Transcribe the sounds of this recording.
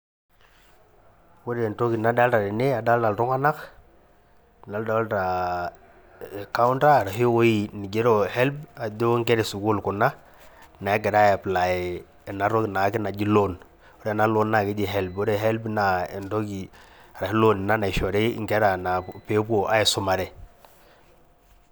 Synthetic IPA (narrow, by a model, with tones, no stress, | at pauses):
wo˦ɾe˨nto˦ki˨na˨da˦lta˨ɾɪ˨ne˦a˨da˦lta˨lɾu˦ŋa˦na˦k | na˨lda˨˦lta˨ | ka˦wnta˦˨ɾa˨ɦi˦wo˦i˦˨ni˨ɟe˦ɾo˦hɛ˦lba˨de˦ŋkɛ˦ɾe˨sʊ˨kʊ˦lkʊ˨na˦ | na˨ɛ˦ɡɛ˨ɾa˦ja˨pla˨j | na˨ɾo˦ki˨na˨˦kɪ˦na˨d͡ʒi˦lo˦˨n | o˦ɾe˦˨na˦lo˦nːa˨ki˦d͡ʒi˨ɦɛ˦lbo˦ɾe˦ɦɛ˦lbna˨ɛ˨nto˦ɡi˨a˨ɾa˨hi˦lo˦nɪ˨na˦na˨ɪ˨ʃɔ˨ɾḛ˦ŋkɛ˦ɾa˨na˨pe˨˦po˨ʔa˦jɛ˨sʊ˦ma˨ɾɛ˨